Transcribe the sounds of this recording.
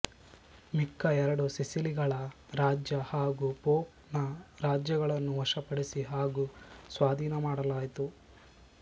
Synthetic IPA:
mikːɐɛɾɐɽusisiliɡɐɭɐ | ɾaːd͡ʒjɐhaːɡupoː | nɐɾaːd͡ʒjɐɡɐɭɐnːuʋɐʃɐpɐɽisiɦaːɡusʋaːd̪ʱiːnɐmaːɽɐlaːjt̪u

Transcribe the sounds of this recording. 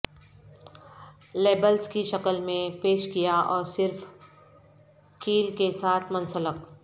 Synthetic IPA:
leːbəlskiʃɐkəlmẽpeːʃkijaʔɔːɾsɪɾf | kiːlkesaːt̪ʰmɐ̃nsələk

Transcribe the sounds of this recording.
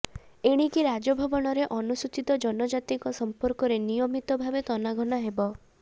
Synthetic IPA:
eɽ̃ikiɾad͡ʒɔbʱɔbɔɽ̃ɔɾeʔɔnusut͡ʃit̪ɔd͡ʒɔnɔd͡ʒat̪iŋkɔsɔmpɔɾkɔɾenijɔmit̪ɔbʱabet̪ɔnaɡʱɔɽ̃aɦebɔ

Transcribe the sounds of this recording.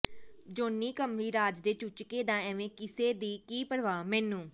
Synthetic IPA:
d͡ʒoːnːiːkəmɾiːɾaːd͡ʒd̪eːt͡ʃʊt͡ʃkeːd̪ãːɛːʋẽːkɪseːd̪iːkiːpəɾʋaːmɛːnũː

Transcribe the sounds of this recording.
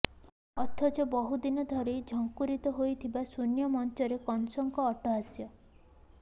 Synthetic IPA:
ɔt̪ʰɔt͡ʃɔbɔɦud̪inɔd̪ʱɔɾed͡ʒʱɔŋkuɾit̪ɔɦojt̪ʰibasunjɔmɔnt̪ɔɾekɔnsɔŋkɔːʈɔɦasjɔ

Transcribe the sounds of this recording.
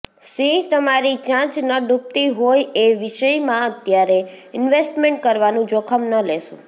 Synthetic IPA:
sĩt̪əmaɾit͡ʃãt͡ʃnəɖup̚t̪iɦojeʋɪʃəjmãət̪jaɾe | ɪnʋesʈmẽɳʈ̚kəɾʋanũd͡ʒokʰəmnəleʃṵ̃

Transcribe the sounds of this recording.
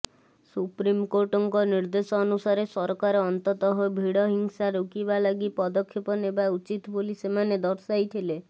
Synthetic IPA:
supɾimkoʈɔŋkɔniɾd̪esɔːnusaɾesɔɾɔkaɾɔɔnt̪ɔt̪ɔɦɔbʱiɽɔɦiŋsaɾukibalaɡipɔd̪ɔkʰːjipɔnebaut͡ʃit̪bolisemaned̪ɔɾsajt̪ʰile

